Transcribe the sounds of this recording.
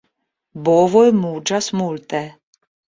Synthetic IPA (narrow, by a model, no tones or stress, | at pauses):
bɔvɔjmud͡ʒasmult̪ʼɛ